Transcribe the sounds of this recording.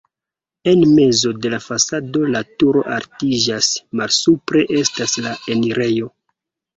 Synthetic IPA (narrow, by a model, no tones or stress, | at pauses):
e̞nme̞zo̞de̞lafasado̞latuɾo̞̰ʔaɾtid͡ʒasmalsupɾe̞ʔe̞staslae̞niɾe̞jo̞